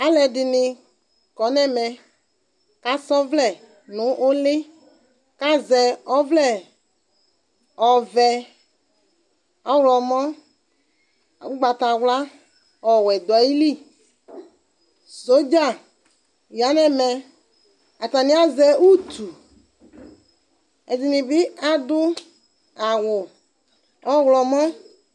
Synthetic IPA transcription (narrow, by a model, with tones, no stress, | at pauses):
a˦lɛ˨ɖɪ˨nɪ˨ | kɔ˨˦nɛ̃˦mɛ˨ | ka˦sɔ˦vlɛ˦˨ | nʊ̃˨˦ʔo˦lɪ˦ | ka˦zɛ˨ɔ˦vlɛ˦˨ | ɔ˨vɛ˨ | ɔ˦wlɔ˨mɔ̃˦˨˦ | ɡ͡ba˨t̪a˨wla˦ | ɔ˨wɛ˨d̪a˨˦ji˦li˦ | so˦d͡ʒa˦˨ | ja˨˦nɛ˦mɛ˨ | a˨t̪a˨nĩ˦a˦zɛ˨wu˦t̪u˨ | ɛ˨zi˨nĩ˨bɪ˦a˨d̪ʊ˦ | a˨wʊ˨ | ɔ˦wlɔ˨mɔ̃˦